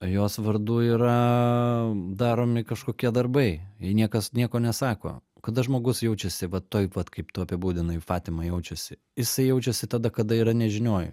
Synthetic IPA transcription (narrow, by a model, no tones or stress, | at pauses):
joːsʋɐrd̪uːiːɾɐ | d̪ɑːɾoːmʲɪkɐʃkoːkʲiɛd̪ɐrbɐɪjɛnʲiɛkɐsnʲiɛkoːnʲɛsɑːko̰ː | kɐd̪ɐʒmoːɡʊsjɛʊt͡ʃʲɛsʲɪʋɐt̪oːjʋɐt̪kɐɪpt̪ʊɐpʲɪbuːd̪ʲɪnɐɪfɑːt̪ʲɪmɐjɛʊt͡ʃʲɛsʲɪ | ɪsɐɪjɛʊt͡ʃʲɛsʲɪt̪ɐd̪ɐkɐd̪ɐiːɾɐnʲɛʒʲɪnʲoːjʊ̰